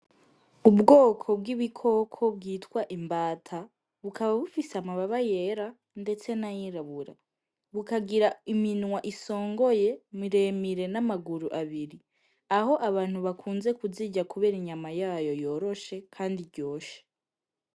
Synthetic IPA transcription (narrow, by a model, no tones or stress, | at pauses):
ubɡoːkʰo̞b̚ɡiβikʰo̞kʰo̞b̚ɡiːtkwaʔimbaːtʰa | βukaβaβufiseamaβaβajeɾa | nde̞t͡se̞najiɾaβuɾa̰ | βukaɡiɾaiminwaʔiso̞ːŋɡo̞je̞miɾe̞miɾe̞namaɡuɾuʔaβiɾi | aho̞ʔaβaːn̥huβakʰuːnze̞kuziɟakuβe̞ːɾiɲamajaːjo̞jo̞ːɾo̞ʃe̞kʰaːndiɾɟo̞ːʃe̥